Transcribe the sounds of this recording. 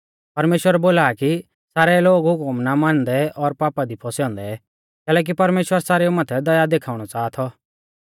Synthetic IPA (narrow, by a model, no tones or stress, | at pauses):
pɐɾmeːʃwəɾɛboːlaːki | saːɾɛloːɡɦʊkʊmnamaːnd̪ɛʔɔɾpaːpad̪ipʰɔsjɔ̃ːnd̪ɛ | kɛːlɛːk̬ipɐɾmeːʃwəɾsaːɾeumaːt̪ʰɛd̪ɐjad̪eːkʰaːʊɽ̃ɔt͡saːt̪ʰɔ